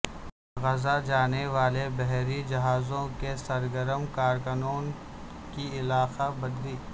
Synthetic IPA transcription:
ɣɐzad͡ʒaːneʋaːlebɛɦɾid͡ʒɐɦaːzõkesɐɾɡəɾəmkaːɾkənoːn | kiɪlaːxabɐd̪liː

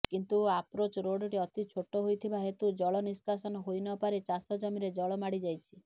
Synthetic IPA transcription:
kint̪uapɾot͡ʃɔɾoɖɔʈiɔt̪it͡ʃʰoʈːɔɦojt̪ʰibaɦet̪ud͡ʒɔɭɔniskasɔnɔɦojnɔpaɾet͡ʃasɔd͡ʒɔmiɾed͡ʒɔɭɔmaɽid͡ʒajt͡ʃʰi̥

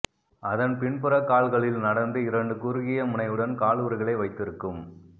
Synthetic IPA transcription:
ɐðɐnpɪɳpɯɾɐkːaːɭɣɐɭɪlnɐɽɐnd̪ɯɪɾɐɳɖɯkʊɾɯɣɪjɐmʊnɐɪɯɽɐnkaːɭuːɾɯɣɐɭɐɪʋɐɪt̪ːɪɾɯkːɯm

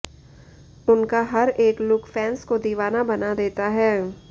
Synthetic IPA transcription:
ʊnkaɦɐɾeːklʊkfɛːnskod̪iːʋaːnabɐnad̪eːt̪aɦɛː

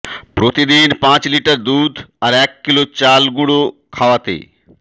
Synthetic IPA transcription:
pɾoːt̪id̪iːnpãːt͡ɕliʈəɾd̪uːd̪ɐɾeːkːɪlot͡ɕaːlɡũɽokʰaːʋat̪ḛː

